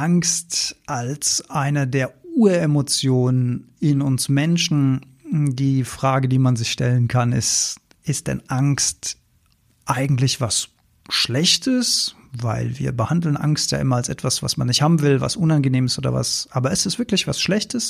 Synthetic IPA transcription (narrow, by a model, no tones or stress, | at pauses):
ʔaŋstʔalsʔaɪnədeːɐuːɐemot͡sjoːnənɪnʊnsmɛnʃn̩ | diːfʁ̥aːɡədiːmanzɪçʃtɛlənkʰanɪ̰st | ʔɪst̚d̥ɛ̰nʔaŋkst | ʔaɪɡŋ̩tlɪçv̥as | ʃlɛçtʰəs | va̰ɪlvḭːɐbəhandl̩nʔa̰ŋstja̰ːʔɪmɐalsʔɛ̰tv̥asv̥a̰smanːɪçthaːbm̩vɪlva̰sʔʊnanɡəneːmɪsʔoːdɐ̰va̰sʔaːbɐʔɪstɛstv̥ɪɐklɪçv̥asʃlɛçtəs